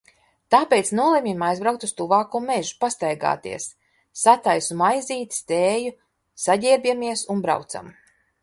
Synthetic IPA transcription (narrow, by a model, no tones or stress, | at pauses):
t̪aːpejt̪snuɔlˠimʲimajzbɾawk̚t̪ust̪uvaːkuɔmɛʒupast̪ajɡa̰ːt̪ḭɛsː | at̪ajsumajziːt̪st̪eːju | saɟiɛɾbʲiɛmiɛsunbɾa̰wt̪sa̰m